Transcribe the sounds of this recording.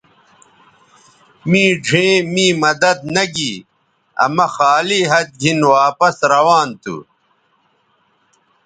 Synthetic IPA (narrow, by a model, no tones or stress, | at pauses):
mĩːɖʱẽːmĩːmɐd̪ɐd̪̚nɐɡiː | ɐ̰mɐxaːliːɦɐt̪̚ɡʱinwaːpɐsɾɐwaːnt̪ṵ